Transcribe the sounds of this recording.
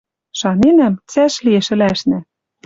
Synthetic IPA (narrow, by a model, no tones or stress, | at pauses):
ʃɑnenæmt͡sæʃliĕʃɘ̆læʃnɘ̆